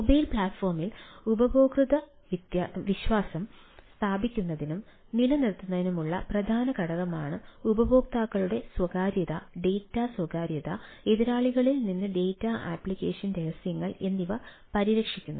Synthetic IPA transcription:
mobɐjlpɭaːʈfo̞ːrmilubɐboːkrɨðɐ | ʋit̪jaʋiɕʋaːsɐm | st̪ʰaːbʱikʲːunːɐðinum | nilɐnirt̪ːunːɐðinumuɭːɐ̰prɐd̪ʱaːnɐkɐɽɐɣɐmaːɳɨubɐbo̞ːk̚t̪aːkːɐɭuɽe̞swɐɣaːɾjɐðɐɖe̞jtːaswɐɡaːɾjɐðɐeðɐɾaːɭiɣɐɭilninːɨɖe̞jtːaʔa̰ːpɭikːeːʂjɐnɾeɣɐsjɐŋːɐɭe̞nːiʋɐ | pɐɾiɾɐkʂikʲːunːu

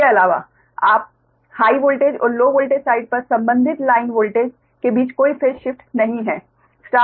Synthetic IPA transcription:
eɐlaːʋa̰ | aːp̚ | haːiʋoːlʈeːd͡ʒɔ̰ːɾloːʋoːlʈeːd͡ʒsaːɪɖ̚pɐɾsɐ̃mbə̃nd̪ʱɪt̪laːɪnʋoːlʈeːd͡ʒ | kebiːt͡ʃkoːifeːʃɪfʈnɐɦĩɦɛː | sʈaː

